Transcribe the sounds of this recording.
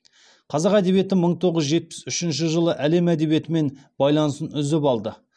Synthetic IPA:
qʰɑzɑqæd̪e̞βije̞t̪ɪməɴt̪ʰo̞ʁəzʒe̞t̪̚pɪ̥sʏʃɪnʃ̬ɪʒəlˠəʔæle̞mæd̪e̞βije̞t̪ɪme̞nb̥ɑjlˠɑnəsənʏzɪpɑlˠd̪ə

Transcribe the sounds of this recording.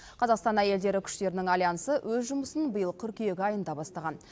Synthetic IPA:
qʰɑzɑqst̪ɑnæje̞ld̪e̞ɾɪkʲʰʏ̥ʃt̪e̞ɾɪnɪŋɑlʲˠjɑnəsəwʔɵzʒʊməsənbəjəlˠt̪ʰʏɾkʲije̞ɡʲɪɑjənd̪ɑbɑst̪ɑʁɑn

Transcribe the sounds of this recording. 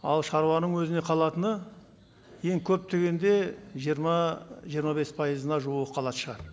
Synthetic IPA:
ɑlˠʃɑɾuɑnəɴwɵzɪne̞qʰɑlˠɑt̪ənə | je̞ŋkʲʰɵp̚t̪ʰe̞ɡʲe̞nd̪e̞ʒɾmɑʒijəɾmɑbe̞spʰɑjəzənɑʒuwəqqʰɑlˠɑt̪ə̥ʃəʁɑt̪

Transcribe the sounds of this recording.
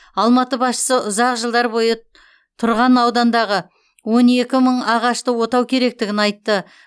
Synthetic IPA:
ɑlˠmɑt̪əbɑsʃə̥səʔʊzɑqʒəlˠd̪ɑɾbo̞jə | t̪ʰʊɾʁɑnɑwd̪ɑnd̪ɑʁə | wo̞ne̞kʲɪməɴɑʁɑʃt̪əwo̞t̪ɑwkʲʰe̞ɾe̞k̚t̪ɪɡʲɪnɑjt̪ːə

